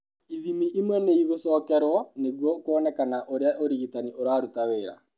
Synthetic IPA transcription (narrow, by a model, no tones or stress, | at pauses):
iðimiʔimwɛneiɣosɔːkɛɾwɔneɣwɔkwɔnɛkanaʔoɾeaʔoɾiɣitaniʔoɾaɾutaweːɾa̰